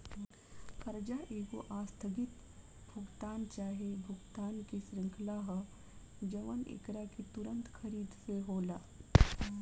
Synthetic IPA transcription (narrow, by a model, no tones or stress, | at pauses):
kɐɾd͡ʒaʔeːɡoʔast̪ʰəɡit̪ | bʱuɡt̪aːnt͡ʃaːɦebʱuɡt̪aːnkesɾɪŋkʰlaɦə | d͡ʒɐʋənḛkɾakit̪uɾənt̪kʰəɾiːd̪seɦoːla